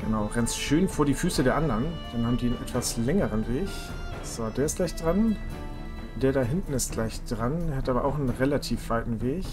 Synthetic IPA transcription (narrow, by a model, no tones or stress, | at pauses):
ɡ̥ənaʊʁɛnstʃøːnfoːɐɾiːfyːsədeːɐʔandɐnd̥anhaːbm̩ndiːnʔɛtv̥aslɛŋəʁənveːç | z̥odeːɐɪstɡ̥laɪçd̥ʁan | d̥eːɐɾaːɦɪntn̩ɪstɡ̥laɪçd̥ʁandeːhatʔaːbɐʔaʊxnənʁelatʰiːfv̥aɪtn̩veːç